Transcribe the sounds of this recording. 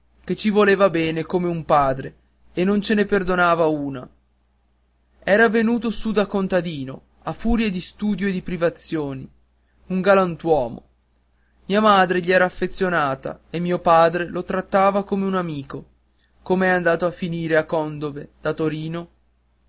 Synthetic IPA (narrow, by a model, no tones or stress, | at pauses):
k̟et͡ʃːivoleːvabɛːnekomeumpaːd̪ɾeː | nːont͡ʃeneperd̪onaːvauːna | ɛːɾavenuːt̪osud̪akont̪ad̪iːno | afuːɾjed̪ist̪uːd̪joed̪ipɾivat̪sːjoːni | uŋɡalant̪wɔːmo̰ | miːamaːd̪ɾeʎiɛːɾaːfːet̪sːjonaːt̪a̰emːiːopaːd̪ɾelot̪ɾat̪ːaːvakomeunamiːko | komeɛand̪aːt̪oafːiniːɾeakːɔnd̪oved̪̥at̪oɾiːno